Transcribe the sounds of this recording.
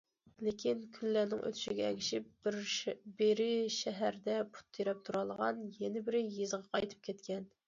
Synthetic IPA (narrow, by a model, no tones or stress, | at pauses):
lekʲinkʲʰylːænɪŋʔø̰t̪ʰy̥ʃiɡʲɛɛ̰ɡʲʰiʃip̚ɪɾbeɾɪʃɛɦæɾd̪ɛpʰu̥t̪ʰːiɾɛp̚t̪ʰuɾɑlˠʁɑnjɛnɪbɪɾɪjizʁɑqʰɑjt̪ʰɨ̥p̚kʲʰɛt̪kʲɛn